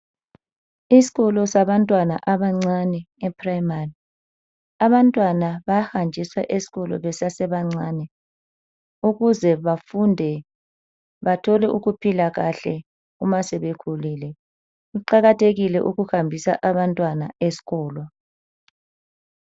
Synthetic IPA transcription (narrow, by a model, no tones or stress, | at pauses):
isi̥ɣɔlɔsaβantʼwana̰ʔaβaŋ͡ǀanɛːpʰʼrajmari | aβantʼwanaβahand͡ʒʱiswa̰ʔesi̥ɣɔlɔ̰βɛsasɛβaŋ͡ǀaːnɛ | uɣuzɛβafundʱɛ | βatʰɔlɛʔuɣupʰilaɣaɬɛ | umasɛβekʰuliːlɛ | uǃaɣatʰeɣilɛ̰ʔuɣuhambʱisa̰ʔaβantʼwana̰esi̥ɣɔːlwɔ